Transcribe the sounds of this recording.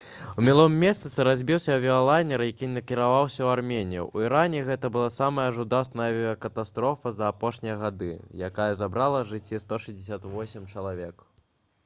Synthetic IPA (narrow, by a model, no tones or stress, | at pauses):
umʲilˠɔmːʲɛst̪ɨt̪sɨɾazʲbʲiwsʲɐɐvʲiɔlˠajnʲɛɾjakʲinɐkʲiɾavawsʲɐwarmʲenʲijṵuiɾanʲɛɣɛt̪ɐbɨlˠasamɐjɐʐud̪ast̪nɐjɐvʲiɔkɐt̪ast̪ɾɔfɐzɐːpɔʂnʲijɐɣad̪ɨjakajɐzabɾalˠɐʐɨt͡sʲːist̪ɔʂɨzʲdʲɪsʲat̪vɔsʲimt͡ʂɐlˠavʲɛk